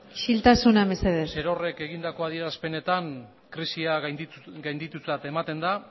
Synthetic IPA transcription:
ʃilt̪asunaβeseðeseɾo̞re̞ke̞ɣind̪ako̞að̞ie̞ɾaspe̞ne̞t̪aŋ | kɾisiaɡajnd̪it̪ut͡sat̪e̞mat̪e̞nd̪a

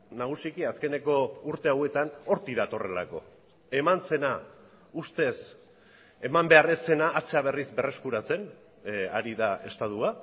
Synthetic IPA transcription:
naɣ̞usikiaske̞ne̞ko̞uɾt̪e̞awe̞t̪ano̞ɾt̪iðat̪o̞re̞̰la̰ko̞̰ | e̞mant͡se̞na | ust̪e̞s | e̞mambe̞are̞t͡se̞naʔːt͡se̞aβ̞e̞rizbe̞re̞skuɾat͡se̞n | a̰ɾiðae̞st̪at̪ua

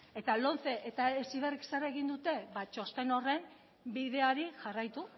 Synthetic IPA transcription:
e̞t̪alo̞nθe̞ʔet̪aesiβeriksaraeɣind̪ut̪e̞bat͡ʃo̞st̪e̞no̞re̞m | biðe̞aɾiʝarajt̪u

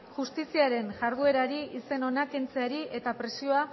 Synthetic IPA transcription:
ʝust̪isiaɾe̞nʝaɾðue̞ɾaɾiise̞no̞nakent͡se̞aɾie̞t̪apɾe̞sio̞a

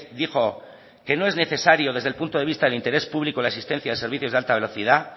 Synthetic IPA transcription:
d̪ixo̞ | ke̞noe̞zneθe̞saɾjo̞ðe̞zðelpunt̪oð̞e̞βist̪aðelint̪e̞ɾe̞spuβlikolaesist̪e̞n̟θjaðe̞se̞ɾβiθjozðalt̪aβe̞lo̞θið̞a

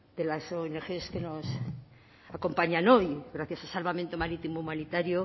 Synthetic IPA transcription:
d̪e̞lasoene̞xe̞ske̞no̞s | ako̞mpaɲano̞jɣɾaθjasalsalβament̪omaɾit̪imoumanit̪aɾjo

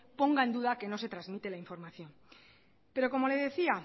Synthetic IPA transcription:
po̞ŋɡaend̪uðake̞no̞s̬e̞t̪ɾazmit̪e̞laiɱfo̞ɾmaθjo̞m | pe̞ɾo̞ko̞mo̞le̞ðe̞θia

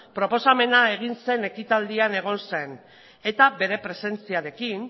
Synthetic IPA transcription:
pɾo̞po̞same̞nae̞ɣ̞inse̞ne̞kit̪ald̪iane̞ɣ̞o̞nse̞n | e̞t̪abe̞ɾe̞pɾe̞se̞nt͡siaɾe̞kin

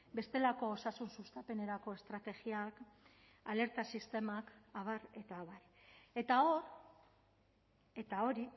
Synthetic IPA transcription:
be̞st̪e̞lako̞ːsasunsust̪ape̞ne̞ɾako̞e̞st̪ɾat̪e̞ɣiak | ale̞ɾt̪asist̪e̞makaβ̞are̞t̪aːβar | e̞t̪ao̞r | e̞t̪ao̞ɾi

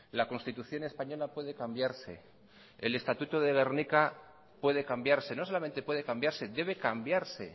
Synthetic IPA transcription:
lako̞nst̪it̪uθjo̞ne̞spaɲo̞lapwe̞ðe̞kambjaɾse̞̰ | ele̞st̪at̪ut̪oðe̞ɣeɾnika | pwe̞ðe̞kambjaɾse̞no̞solame̞nt̪epweðe̞kambjaɾse̞ðe̞β̞e̞kambjaɾse̞̰

